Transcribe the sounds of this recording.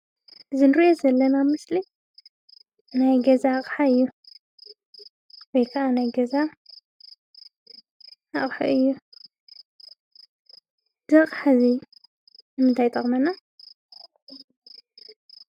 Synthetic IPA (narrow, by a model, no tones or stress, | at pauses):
ɨzɨnɨɾiʔozɐlːɐnamɨsli | najɡɐzaχʼħaɨjːu | wɔjkʰɐʔanajɡɐza | aχʼħa̰ʔɨjːu | zɨqʼħazi | nɨmɨnt̪ʰajt̪ʼɐχʼmɐna